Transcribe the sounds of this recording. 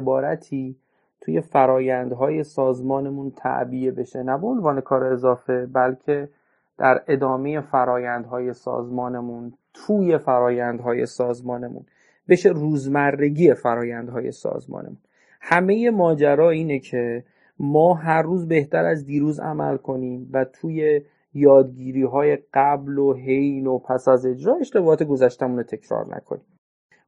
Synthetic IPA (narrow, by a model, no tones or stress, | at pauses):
bɒːɾæt̪ʰiː | t̪ʰuːje̞fæɾɒːjænd̪ɦɒːje̞sɒːzmɒːnemunt̪ʰæ̰ʔbijebe̞ʃe̞næboonvɒːne̞kʰɒːɾeːzɒːfe̞bælcʰe̞ | d̪̥æɾe̞d̪ɒːme̞je̞fæɾɒːjænd̪ɦɒːje̞sɒ̰ːzmɒːnemunt̪ʰuːje̞fæɾɒːjænd̪ɦɒːje̞̰sɒːzmɒːne̞mṵn | be̞ʃeruːzmæɾːe̞ɟiːe̞fæɾɒːjænd̪̥ɦɒːje̞̰sɒ̰ːzmɒ̰ːnʔḛmun | hæme̞je̞mɒːd͡ʒæɾɒːiːnecʰe̞ | mɒːɦæɾːuːzbe̞ht̪ʰæɾæzd̪iːɾuːzæ̰mæ̰lkʰo̞niːmvæt̪ʰuːje | jɒːd̪̚ɡiːɾiːɦɒːje̞ɢ̥æbloɦe̞jnopʰæsæze̞d͡ʒɾɒːe̞ʃt̪ebɒːɒːt̪ʰe̞ɡo̞zæʃt̪æmuːnot̪ʰe̞cʰɾɒ̰ːɾnæ̰kʰo̞̰niːm